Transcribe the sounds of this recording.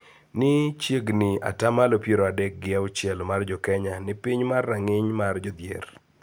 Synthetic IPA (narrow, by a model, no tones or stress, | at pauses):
nɪt͡ʃjeɡnɪa̰tamalopjeɾoadɛk̚ɡɪaʊt͡ʃjɛlmard͡ʒɔkɛɲanɪpɪɲmarːaŋɪɲmard͡ʒɔd̪jḛr